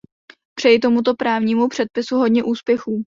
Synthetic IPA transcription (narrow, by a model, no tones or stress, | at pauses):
pr̝̥ɛjɪt̪o̞mut̪̬o̞pɾaːvɲiːmupr̝̥ɛt̪̚pɪsuɦo̞dɲɛʔuːspjɛxuː